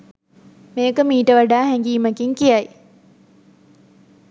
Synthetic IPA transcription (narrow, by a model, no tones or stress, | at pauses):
meːkəmiːʈəʋaɖaːɦɛŋɡiːməkiŋkijaj